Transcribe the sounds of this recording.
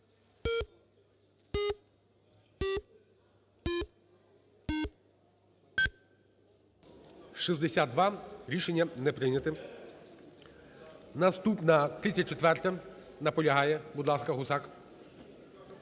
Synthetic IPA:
ʃizd̪esʲad̪̚d̪ʋɑɾʲiʃenʲːɐnɛpɾɪjnʲɐt̪ɪ | nɐst̪upnɐt̪ɾɪt̪ʲt͡sʲːɐt͡ʃet̪ʋɛrt̪ɐ | nɐpɔlʲɐɦɑjɛbud̪lˠɑskɐɦʊzɑk

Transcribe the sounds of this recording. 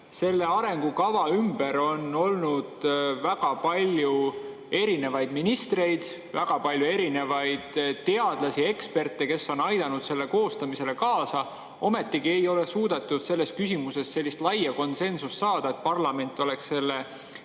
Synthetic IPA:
se̞lːe̞ɑɾe̞ŋɡ̥ukɑvɑymbe̞ɾo̞no̞lnud̪̥væɡ̥ɑpɑlʲju | e̞ɾine̞vɑjd̪̥minist̪re̞jd̪̥ | væɡ̥ɑpɑlʲjue̞ɾine̞vɑjd̪̥t̪ːe̞ɑd̪̥lɑsie̞kspe̞rt̪ːˑe̞ke̞sːo̞nɑjd̪̥ɑnud̪̥se̞lːe̞ko̞ːst̪ɑmise̞le̞kɑːsɑ | ʔo̞me̞t̪ːiɡie̞jo̞le̞suːd̪̥et̪ːˑud̪̥se̞lːe̞skysʲimuse̞sse̞lʲːist̪lɑjɑko̞nse̞nsust̪ːsɑːd̪̥ɑe̞t̪̚pɑrlɑme̞nʲt̪ːˑo̞le̞ksse̞lːe

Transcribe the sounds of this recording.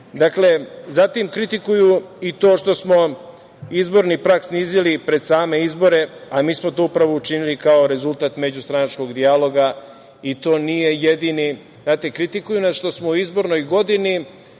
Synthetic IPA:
d̪akle̞zat̪imkɾit̪ikujuit̪o̞ːʃt̪o̞smo̞ | izbo̞ɾnipɾaksniːzilipɾe̞d̪saːme̞izbo̞ɾe̞amiːsmo̞t̪o̞upɾaʋo̞ut͡ʃinilikao̞ɾe̞zulˠt̪aːt̪me̞d͡ʑust̪ɾanat͡ʃko̞ɡd̪ialo̞ɡa | it̪o̞ːnije̞jed̪ini | znaːt̪ekɾit̪ikujunasʃt̪o̞smouizbo̞ɾno̞jɡo̞d̪ini

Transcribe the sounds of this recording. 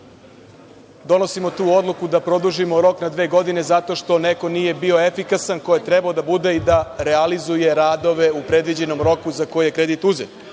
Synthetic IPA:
d̪o̞no̞simo̞t̪uːo̞d̪lˠukud̪apɾo̞d̪uʒimo̞ɾo̞knad̪ʋe̞ːɡo̞d̪ine̞zat̪o̞ʃt̪o̞ne̞ko̞niːje̞bio̞efikasanko̞jet̪ɾebaod̪abud̪e̞id̪aɾealizuje̞ɾaːd̪o̞ʋe̞upɾe̞d̪ʋid͡ʑe̞no̞mɾo̞kuzako̞jije̞kɾe̞d̪it̪uzet̪

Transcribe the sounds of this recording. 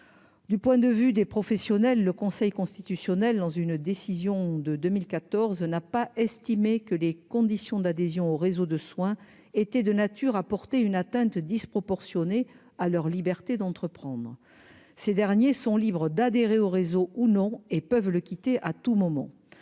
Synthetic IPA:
d̪ypwɛ̃d̪əvyd̪epχɔfɛsjɔnɛlːəkɔ̃sɛjkɔ̃st̪it̪ysjɔnɛld̪ɑ̃zynd̪esizjɔ̃d̪əd̪ømilkat̪ɔʁznapaʔɛst̪imekəlekɔ̃d̪isjɔ̃d̪ad̪ezjɔ̃oʁezod̪əswɛ̃ | et̪ɛd̪ənat̪yʁapɔʁt̪eynat̪ɛ̃t̪d̪ispχɔpɔʁsjɔne | alœʁlibɛʁt̪ed̪ɑ̃t̪χəpχɑ̃d̪ʁə | sed̪ɛʁnjesɔ̃libʁəd̪ad̪eʁeoʁezounɔ̃epœvləkʲit̪eʔat̪umɔmɑ̰̃

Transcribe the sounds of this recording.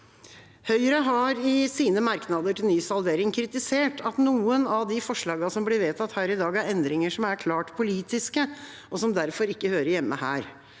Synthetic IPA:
hœʏɾəɦɑɾɪsiːnəmɑɾknɑd̪əʈʰɪlnyːsɑld̪eːɾɪŋkʰɾɪt̪ɪseːʈʰɑt̪nuːənɑd̪ɪfɔʂɭɑːɡɑsɔmblɪʋeːt̪ʰɑt̪hæːɾɪd̪ɑːɡæɾɛnd̪ɾɪŋəʂɔmæɾkʰlɑːʈpʰʊliːt̪ɪskə | ɔsɔmd̪æɾfɔɾɪkːəhøːɾəjɛmːəhæ̰ːɾ

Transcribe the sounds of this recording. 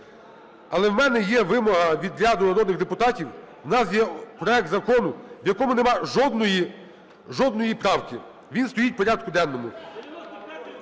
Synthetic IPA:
ɐlˠɛwmɛnɛjɛʋɪmɔɦɐʋʲid̪ɾʲɑd̪ʊnɐɾɔd̪nɪɣd̪epʊt̪ɑtʲiw | wnɑsjɛpɾɔɛk̚t̪zɐkɔnʊʋjɐkɔmʊnemɑʒɔd̪nɔji | ʒɔd̪nɔjipɾɑwkɪ | ʋʲinst̪ɔjit̚ʲpɔɾʲɑd̪̚kʊd̪ɛnːɔmʊ

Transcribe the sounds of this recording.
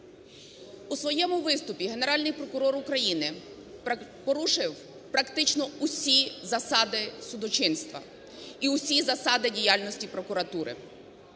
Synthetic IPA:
usʋɔjɛmʊʋɪst̪ʊpʲiɦe̞ne̞ɾɑlʲnɪjpɾɔkʊɾɔɾʊkɾɐjinɪ | pɔɾuʃɪw | pɾɐkt̪ɪt͡ʃnɔʊsʲizɐsɑd̪ɪsʊd̪ɔt͡ʃɪnst̪ʋɐ̰ | iʊsʲizɐsɑd̪ɪdʲijalʲnɔsʲtʲipɾɔkʊɾɐt̪uɾɪ̰

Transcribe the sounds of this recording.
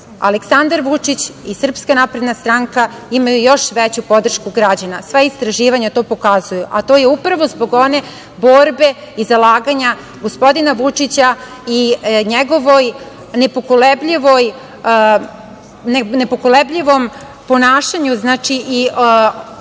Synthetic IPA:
a̰leksand̪aɾʋut͡ʂit͡ɕisr̩pskanapɾed̪nast̪ɾaŋka | imajujo̞ʃʋet͡ɕupo̞d̪r̩ʃkuɡɾad͡ʑanasʋaist̪ɾaʒiːʋaɲat̪o̞ːpo̞kazujuʔat̪oːjeupɾaʋo̞zbo̞ɡo̞ne̞ | bo̞ɾbe̞ | izalˠaːɡaɲa | ɡospo̞d̪inaʋut͡ʂit͡ɕa | iɲeɡo̞ʋoj | nepokolebʎiʋo̞j | nenepokolebʎiʋo̞m | po̞naːʃaɲuznaːt͡ʃiʔi

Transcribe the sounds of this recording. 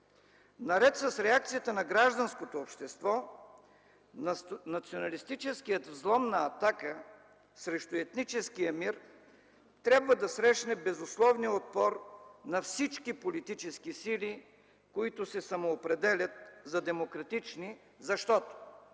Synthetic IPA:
nɐɾɛt̪sɐsɾɛak̚t̪sijət̪ənɐɡɾaʒd̪ɐnskot̪oːpʃt̪ɛst̪vɔ | nɐt̪sionɐlist̪it͡ʃɛskijət̪vzlˠɔmnɐːt̪akə | sɾɛʃt̪ʊɛt̪nit͡ʃɛskijəmiɾ | t̪ɾʲabvəd̪ɐsɾɛʃnɛbɛzʊslˠɔvnijəot̪̚pɔɾnɐfsit͡ʃkipolit̪it͡ʃɛskisili | koit̪ʊsɛsɐmoːpɾɛd̪ɛlʲət̪̚zɐd̪ɛmokɾɐt̪it͡ʃni | zɐʃt̪ɔt̪o̥

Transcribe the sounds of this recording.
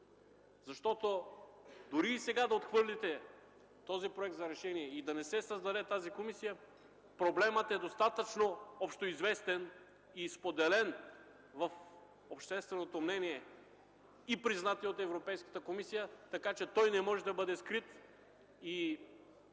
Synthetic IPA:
zɐʃt̪ɔt̪o | d̪ʊɾiːsɛɡad̪ɐot̪xvɤɾlit̪ɛ | t̪ɔzipɾoɛk̚t̪zɐɾɛʃɛniɛid̪ɐnɛsɛsəzd̪ɐd̪ɛt̪azikomisijə | pɾoblɛmət̪ɛd̪ost̪at̪ət͡ʃnoɔpʃt̪oizvɛst̪ɛn | ispod̪ɛlɛn | vɐf | opʃt̪ɛst̪vɛnot̪omnɛniɛ | ipɾiznat̪iot̪ɛvɾopɛjskə̥t̪əkomisijət̪ɐkat͡ʃɛt̪ɔjnɛmɔʒɛd̪ɐbɤd̪ɛskɾit̪ | i

